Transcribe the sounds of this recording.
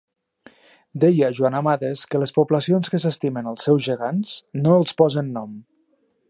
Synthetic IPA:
d̪ɛjəʒuanəmaðəskələspubləsionskəsəst̪imənəlˠsːɛwzʒəɣansnoəlˠspɔzənːɔm

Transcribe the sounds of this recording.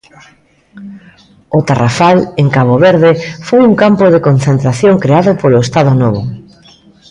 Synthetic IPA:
ʊt̪arafaleŋkaβoβeɾðɪfojuŋkampoðekonθent̪ɾaθjoŋkɾeaðʊpoloest̪aðʊnoβ̞ʊ

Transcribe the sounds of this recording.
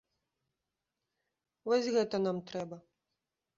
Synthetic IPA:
vɔsʲɣɛt̪ɐnamt̪ɾɛbɐ

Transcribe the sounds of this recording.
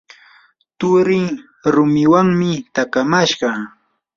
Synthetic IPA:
t̪ʊɾɪ | ɾʊmɪwaŋmɪt̪akamaʃɢɑ

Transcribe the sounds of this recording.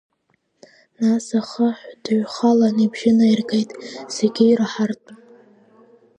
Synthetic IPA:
nasaχaħʷd̥ʕʷχalanibʒɪnairɡejtʼseɡʲijraħartʼ

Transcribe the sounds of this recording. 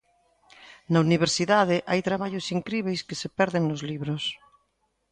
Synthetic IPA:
nauniβ̞eɾsiðað̞ɪʔajt̪ɾaβaʎosiŋkɾiβ̞ejskesepɛɾðeŋnozliβɾos

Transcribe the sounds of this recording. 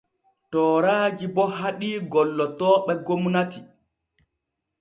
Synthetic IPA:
tɔːɾaːd͡ʒibɔɦaɗiːɡɔlːɔtɔːɓɛɡomunati

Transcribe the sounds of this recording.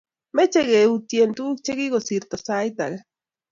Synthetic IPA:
met͡ʃeɣeut̪jent̪uːk̚t͡ʃeɣiɣosiɾt̪osajt̪a̰ɣe

